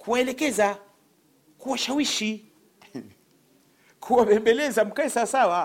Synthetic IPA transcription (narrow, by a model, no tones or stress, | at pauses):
kuwaɛlɛkɛza | kuwaʃawiʃi | kʰuwapɛmbɛlɛzam̩kaɛsasawa